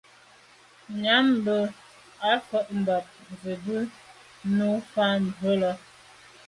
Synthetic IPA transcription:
ɲa˨˦mbə˨ | a˨˦fə˦ʔm̩˨ba˨t̚zə˨bə˦ | nu˦fa˦n˨ə˦lə˨

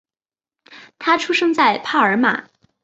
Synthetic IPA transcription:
t̪ʰa˥ʈ͡ʂʰu˥ʂɤ˥ŋt͡sa˥˩ɪpʰa˥˩ə˞˧˥ma̰˨˩˦

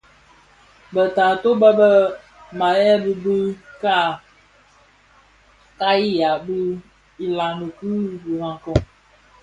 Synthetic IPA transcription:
bə˨taː˨to˦bə˦bə˦ | ma˨jɛ˦bi˦bɨ˦ka˦˨ | ka˦i˦ja˨bɨ˦ | i˨la˨ŋə˨kɨ˦bi˨ɾa˨ŋ˨kɔ˦

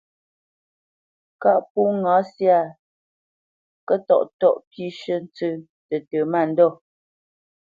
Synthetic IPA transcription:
ka˦ʔpu˦ŋa˨˦sja˦˨ | kə˦tɔ̰˨ʔtɔ˦˨ʔpi˦ʃə˦n˦t͡sə˦ | tə˨tə˨ma˦˨n̩˦dɔ˦˨

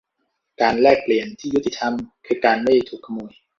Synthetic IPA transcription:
kaː˧nlɛː˥˩k̚pli˨˩˦ənt̪ʰiː˥˩ju˦˥t̪ːi˧˩t̪ʰa˧mkʰɯː˧kaː˧nma˥˩jt̪ʰuː˨˩kʰːa˧muː˧˩əj

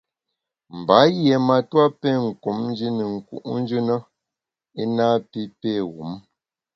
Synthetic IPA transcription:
m̩˨ba˨˦jɛ˨ma˨twa˦pɛ˦˨ŋ̩˨ko˨˦mn̩˦d͡ʒi˦nə˨ŋ̩˨kṵ˦ʔn̩˦d͡ʒʉ˦nə˦ | e˦na˦pi˦pe˦˨wu˨˦m

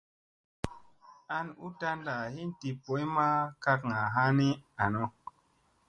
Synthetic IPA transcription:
a˧nu˦ta˧nda˨hi˦nti˨po˨˦jma˦ka˧kŋa˨ɦa˦ni˦a˨no˦

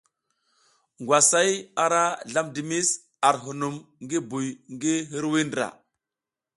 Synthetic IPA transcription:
ŋɡwa˨sa˦ja˨ɾa˦ɮa˦mdi˨mi˦s | a˨ɾɦu˨nu˨mŋɡi˦bu˨jŋɡi˦ɦi˦ɾwi˦ndɾa̰˨

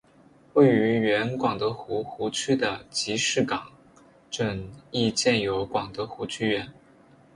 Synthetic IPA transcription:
we˥˩ɪy˧˥ɥɛ˧˥nkwɑ˨˩ŋt̪ɤ˧˥xu˧˥xu˧˥t͡ɕʰy˥˩d̪ə˩t͡ɕi˧˥ʂɻ̩˥˩kɑ˨˩˦ŋ | ʈ͡ʂə˥˨˩ŋi˥˧t͡ɕjɛ˥˩njo˧˥ʊkwɑ˨˩ŋt̪ɤ˧˥xu˧˥t͡ɕʰy˥˧ɥɛ˧˥n

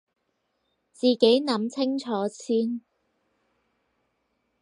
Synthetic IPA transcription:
t͡siː˨ke˨˥jnɐ˨˥mt͡sʰɪ˥ŋt͡ʃʰɔː˨˥t͡sʰiː˥n

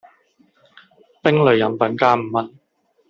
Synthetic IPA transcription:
pɪ˥ŋlɵ˨˧ɥjɐ˨˥mpɐ˨˥nkaː˥m̩˨˩mɐ˥n

